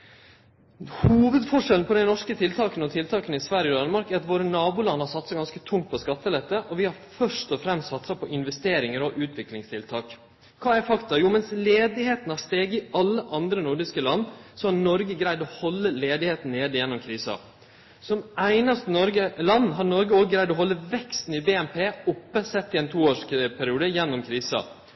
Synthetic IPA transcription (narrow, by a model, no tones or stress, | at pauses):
huːʋəd̪fɔʂɛln̩pʰɔd̪æɪnɔʂkət̪ʰɪlt̪ʰɑːkənɔt̪ʰɪlt̪ʰɑːkənəɪsʋæɾjəɔd̪ɑnəmɑɾkæɾɑt̪ʋoːɾənɑːbuːlɑnːhɑɾsɑt̪sɑɡɑnskət̪ʰʊŋt̪̚pʰɔskɑt̪ːəlɛt̪ːəʔɔʋɪhɑɾfœʂt̪ɔfɾɛmst̪sɑt̪sɑpʰɔʔɪnʋɛst̪eːɾɪŋəɾɔʔʉːt̪ʰʋɪklɪŋst̪ʰɪlt̪ʰɑːk | kʰɑːæɾfɑkt̪ɑjuːmɛnsleːd̪ɪheːt̪n̩hɑɾst̪eːɡɪɑlːəʔɑnd̪ɾənʊɾɖɪskəlɑnːsɔɑnɔɾɡəɡɾæɪd̪ɔhɔlːəleːd̪ɪheːt̪n̩neːd̪ɪjɛnːɔmkʰɾiːsɑ̰ | sɔmæɪnɑst̪nɔɾɡəlɑnːɦɑɾnɔɾɡəoːɡəɡɾæɪd̪ɔɦɔlːəʋɛkst̪n̩ɪbeːɛmpʰeːʊpːəsɛt̪ːɪɛɪnt̪ʰuːoːʂpʰæɾɪuːd̪əjɛnːɔmkʰɾiːsɑ̰